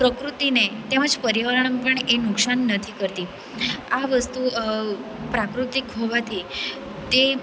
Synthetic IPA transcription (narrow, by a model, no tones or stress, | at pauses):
pɾəkɾut̪inet̪eməd͡zpəɾiʋaɾɳ̃əmpəɳenuksanːət̪ʰikəɾt̪iː | aʋəst̪u | pɾakɾut̪ikɦoʋat̪ʰi | t̪e